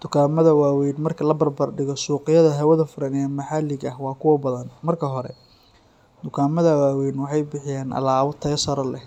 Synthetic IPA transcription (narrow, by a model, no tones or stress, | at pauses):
d̪̥ʊkʰaːmɐðɐwaːwɛjnmɐrkʰɐlɐbɐrbɐrɖɪɣɔsuːqɪjɐðɐɦɐwɐðɐfʊɾɐnɛːmɐħɑlɪɡɐhwɑːkʰʊwɐbɐðɐnmɐrkʰɐɦɔɾɛ̰ | d̪̥ʊkʰaːmɐðɐwaːwɛjnwɑħɑjbɪħɪjaːnʔɐ̰laːwʊt̪ʰɐsɐɾɐlɛ